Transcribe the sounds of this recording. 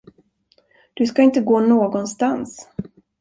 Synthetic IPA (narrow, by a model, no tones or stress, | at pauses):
d̪̥ɵskaɪnt̪əɡoːnoːɡɔnst̪ans